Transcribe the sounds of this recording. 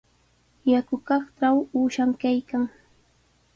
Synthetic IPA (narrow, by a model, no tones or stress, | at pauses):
jakʊkɑχʈ͡ʂawuːʃamkajkaŋ